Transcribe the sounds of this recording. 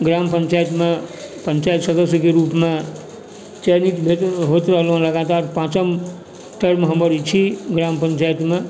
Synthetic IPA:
ɡɾampənt͡ʃajt̪mepənt͡ʃajt̪səd̪əsjəkeɾupme | t͡ʃenit̪bʱet̪ɦot̪ɾəɦəlɦõləɡat̪aɾpãt͡ʃəm | ʈəɾmeɦəmbəɾit͡ʃʰiɡɾampənt͡ʃajt̪me

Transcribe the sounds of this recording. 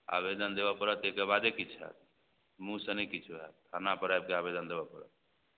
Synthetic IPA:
a̰bed̪ənd̪eβɔpəɾət̪ekebad̪ekit͡ʃʰɦɛ̰t̪ | mũsənɛkit͡ʃʰuɦɛ̰t̪̚t̪ʰanapəɾajb̚keabed̪ənd̪ebɔpəɾə̰t̪̚

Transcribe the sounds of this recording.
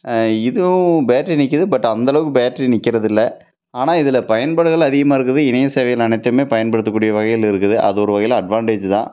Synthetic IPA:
ɪðɯbeːʈrinɪkːɯðɯbɐʈːɐnd̪ɐlɐʋɯkːɯbeːʈrinɪkːɪɾɐðɪlːɐ | aːnaːɪðɪlɐpɐjɐnbɐɽɯɣɐɭɐðɪɣɐmaːɪɾɯkːɯðɯɪnɐjɐseːʋɐjɪlɐnɐɪt̪ːɯmeːpɐjɐnpɐɽɯt̪ːɯkːuːɽɪjɐʋɐɣɐjɪlɪɾɯkːɯðɯʔɐ̰ðɯɔɾɯʋɐɣɐjɪlɐ̃ɐɖʋaːɳʈeːd͡ʒt̪ã̰ː

